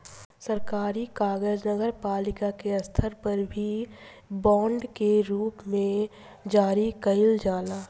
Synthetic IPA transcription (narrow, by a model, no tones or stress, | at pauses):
səɾkaːɾikaːɡəd͡ʒnəɡəɾpaːlɪkakeɐst̪ʰəɾpɐɾbʱi | bɔ̃ːɳɖkeɾuːpmẽ | d͡ʒaːɾikɐɪld͡ʒaːlaː